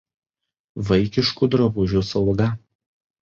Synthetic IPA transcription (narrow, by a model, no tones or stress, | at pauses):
ʋɐɪkʲɪʃkuˑd̪ɾɐbʊʒʲʊsɐʊɡɐ